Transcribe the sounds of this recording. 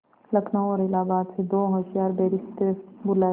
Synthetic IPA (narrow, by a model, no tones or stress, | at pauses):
lɐkʰnaoːɾɪlaːbaːt̪sed̪oːɦoʃjaːɾbeːɾɪst̪ebʊla